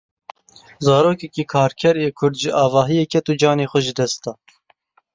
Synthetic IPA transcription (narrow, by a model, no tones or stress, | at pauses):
zɑːɾoːkɛkiːkʰɑːɾkʰɛɾeːkʰʊɾd̪ʒɪʔɑːvɑːɦijɛkʰɛt̪ud͡ʒɑːneːxʷɛʒɨd̪ɛst̪ɑː